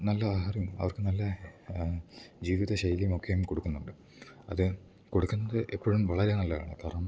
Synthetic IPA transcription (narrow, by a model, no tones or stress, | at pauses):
nɐlːɐaɦarjumɐ̰ʋɐrkɨnɐlːɐ | d͡ʑiːʋiðɐɕɐjɐlimo̞kːejumko̞ɽukːunːuɳɖɨ | ɐ̰ðɨ | ko̞ɽukːunːɐðɨʔepːoːɻumʋɐɭɐɾenɐlːɐa̰ːɳɨ̰k̪ɐrɐm